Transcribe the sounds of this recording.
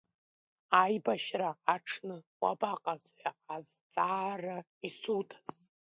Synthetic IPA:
ajbaʃraːʈ͡ʂʰnɨwa̰baqʼazħʷaazt͡sʼaːra | isutʰḁz̥

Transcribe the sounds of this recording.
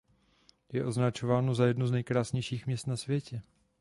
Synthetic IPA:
jɛʔo̞znat͡ʃo̞vaːnozajɛdnuznɛjkɾaːsɲɛjʃiːxmɲɛst̪nasvjɛcɛ

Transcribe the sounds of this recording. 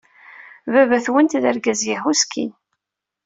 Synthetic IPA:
vævæθwənt̪ðæɾɡæzjiħuskʰḭn

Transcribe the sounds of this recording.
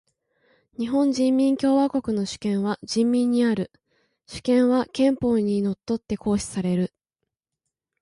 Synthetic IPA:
ɲ̟iɦõ̞ɲd͡ʑĩmːʲĩŋkʲo̞ːβako̞kɯ̟no̞ɕɨ̥kẽ̞ɰ̃βaʑĩmːʲĩɲ̟ːiaɾɯ̟ | ɕɨ̥kẽ̞ɰ̃βakẽ̞mpo̞ːɲ̟ino̞t̪ːo̞t̪ːe̞ko̞ːɕi̥saɾe̞ɾɯ̟

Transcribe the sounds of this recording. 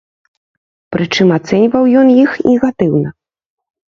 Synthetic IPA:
pɾɨt͡ʂɨmat̪sɛnʲvɐwjɔnjixnʲɛɣat̪ɨwnɐ

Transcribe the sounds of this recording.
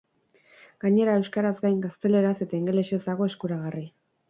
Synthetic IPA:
ɡ̥aɲe̞ɾae̞wskaɾazɡajŋɡast̪e̞le̞ɾase̞t̪aiŋɡe̞le̞se̞zd̪aɣ̞o̞e̞skuɾaɣ̞ari

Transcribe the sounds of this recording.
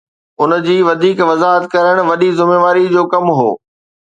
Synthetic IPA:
ʊnd͡ʑiːʋɐd̪ʱiːkʋɐzaːɦət̪kɐɾəɽ̃ʋɐɗizʊmeːʋaːɾid͡ʑoːkɐmɦo̰ː

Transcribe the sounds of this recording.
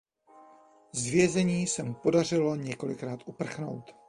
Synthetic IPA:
zvjɛzɛɲiːsɛmɪpo̞dar̝ɪlo̞ɲɛko̞lɪkɾaːt̪ʔupr̩xno̞̰wt̪

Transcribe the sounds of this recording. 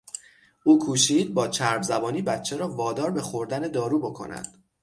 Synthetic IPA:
ʔuːkʰuːʃiːd̪̚bɒːt͡ʃʰæɾbzæbɒːniːbæt̪t͡ʃʰːeɾɒːvɒːd̪ɒːɾbe̞xoɾd̪æne̞d̪ɒːɾuːbo̞kʰo̞̰næ̰d̪̥

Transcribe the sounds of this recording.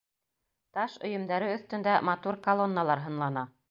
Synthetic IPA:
t̪ɑʃɵ̆jɤ̆md̪æɾɘɵ̆θt̪ɵ̆nd̪æmɑt̪uɾkɐlˠonːalˠɑɾɦɤ̆nlˠɑnɑ

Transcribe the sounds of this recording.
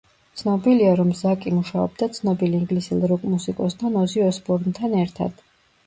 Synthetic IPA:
t̪sʰnɔbiliaɾɔmzakʼimuʃaɔ̰bd̪at̪sʰnɔbiliiŋɡlisilˠɾukʼmusikʼɔst̪ʰanɔziɔspʼɔɾnt̪ʰanɛɾt̪ʰa̰d̪̥

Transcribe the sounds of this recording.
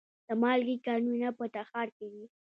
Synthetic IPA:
d̪̥əmɑlɡikɑnunapət̪axɑɾked̪i

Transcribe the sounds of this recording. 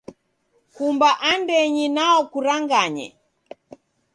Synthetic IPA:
kumbaʔandɛɲinaɔkuɾaŋɡaɲɛ̰

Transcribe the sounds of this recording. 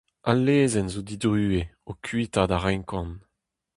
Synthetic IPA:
alːeːzɛnzod̪id̪ʁyːeokʰɥitad̪aʁɛŋkɑ̃n

